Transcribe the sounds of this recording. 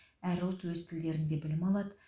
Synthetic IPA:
æɾʊlˠt̪wɵzt̪ʰɪld̪e̞ɾɪnd̪e̞bɪlɪmɑlˠɑd̪ə

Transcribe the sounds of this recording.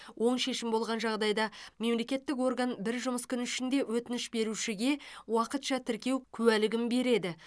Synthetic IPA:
wʔo̞ɴʃe̞ʃɪmbo̞lˠʁɑnʒɑʁd̪ɑjd̪ɑme̞mle̞kʲe̞t̪ːɪko̞rɡanbɪɾʒʊməskʲʰʏnɪʃɪnd̪e̞wɵt̪ɪnɪʃbe̞ɾuʃɪɡʲe̞wɑqət̪ʃɑt̪ʰɪɾkʲe̞wkʲʰʉwælɪɡʲɪmbe̞ɾe̞d̪ɪ

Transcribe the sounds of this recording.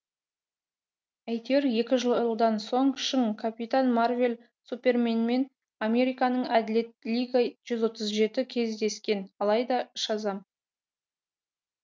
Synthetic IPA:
æjt̪e̞ɾje̞kʲɪʒəlˠlˠd̪ɑnso̞ɴʃəŋkʰapʲit̪anmarve̞l | supʲe̞rmenme̞n | amʲe̞ɾijkɑnəɴæd̪ɪle̞t̪̚lʲijɡaʒ̥ʏzwo̞t̪əzʒe̞t̪ɪkʲʰe̞zd̪e̞skʲe̞nɑlˠɑjd̪ɑʃɑzɑm

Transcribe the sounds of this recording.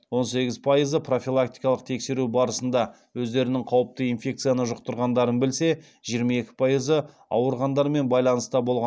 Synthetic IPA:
wo̞nse̞ɡʲɪzpʰajəzəpʰro̞fʲilˠak̚t̪ijkɑlˠəq̚t̪ʰe̞kse̞ɾubɑɾəsənd̪ɑ | wɵzd̪e̞ɾɪnɪŋqʰɑwəp̚t̪əinfʲe̞k̚t̪sɨjanəʒʊqt̪əɾʁɑnd̪ɑɾənbɪlse̞ | ʒijəɾmɑe̞kʲɪ̥pʰɑjəzə | ɑ̰wəɾʁɑnd̪ɑɾme̞nbɑjlˠɑnəst̪ɑbo̞lˠʁɑ

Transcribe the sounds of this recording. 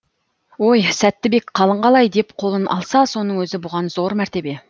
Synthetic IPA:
o̞jsæt̪ːɪbe̞kqʰɑlˠəɴʁɑlˠɑjd̪e̞pqʰo̞lˠənʔɑ̰lˠsɑso̞nəɴwɵzɪbʊʁɑnzo̞ɾmæɾt̪e̞be̞

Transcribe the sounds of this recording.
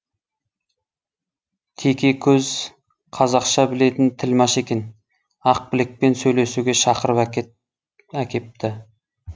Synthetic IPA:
t̪ʲʰe̞kʲe̞kʲʰɵz | qʰɑzɑqʃɑbɪle̞t̪ɪnt̪ʰɪlmɑʃe̞kʲe̞n | ɑq̚bɪlɪk̚pe̞nsɵjle̞suɡʲe̞ʃɑqəɾəp | ækʲe̞p̚t̪ɪ

